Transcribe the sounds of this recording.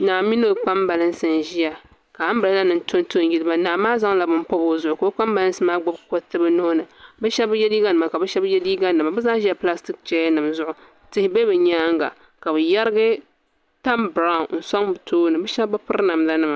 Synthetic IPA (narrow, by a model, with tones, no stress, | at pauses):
naː˨mi˦no˦˨k͡pa˦mba˨lɨ˦n˦sɨ˨n˨ʒi˦ja˨ | ka˨a˦m̩˦bɨ˨la˦la˦nɨ˨n˦tʰo˦n˦to˦n˦ji˦lɨ˦ba˦naː˨maː˦za˦ŋla˨bɨ˦m˦pɔ˦bo˨zʊ˦ʔʊ˨ka˨bɨ˦k͡pa˦mba˨lɨ˦nsɨ˦maː˦ɡ͡bɔ˦bko˦tɨ˦bɨ˦no˦nɨ˨bɨ˦ʃɛ˦bjɛ˦li˦ɡa˦nɨ˨ma˨ka˨bɨ˦ʃɛ˦bjɛ˦li˦ɡa˦nɨ˨ma˨bɨ˦zaː˦ʒi˦a˨pla˦sti˦k̚t͡ʃɛ˦a˦nɨ˨mzʊ˦˨ʔʊ˨ | tɨ˦hɪ˦be˦bɨ˨ɲaː˦ŋɡa̰˨ | ka˨bɨ˨jɛ˦ɾɨ˦ɡɨ˦ | ta˦mbɾa˦˨n̩˨sa˦ŋbɨ˨tʰoː˦nɨ˨bɨ˦ʃɛ˦bbɨ˦pɨ˦ɾna˨m˨la˦nɨ˦ma˨